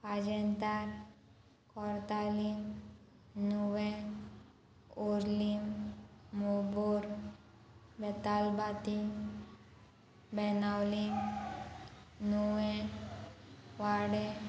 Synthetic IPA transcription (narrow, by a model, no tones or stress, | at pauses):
pad͡ʒɛnt̪aɾ | kɔɾt̪alim | nuwẽ | uɾlimː | obuɾ | bɛt̪albat̪i | bɛnawlim | nuʋẽ | ʋaɽe